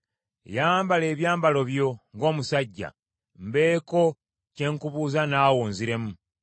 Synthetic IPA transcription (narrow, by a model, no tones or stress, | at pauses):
jaːmbale̞ːβjaːmbalo̞βjo̞ŋɡo̞ːmusaɟːa̰ | mbe̞ːko̞ | ce̞ːŋkuβuːzanaːwoːnziɾe̞mu